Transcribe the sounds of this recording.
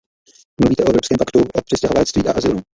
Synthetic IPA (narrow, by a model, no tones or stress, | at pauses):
mluviːt̪ɛʔoɛvɾopskɛːmpakt̪uʔopr̝̥ɪscɛɦovalɛt͡sst̪viːʔa̰ʔazɪlu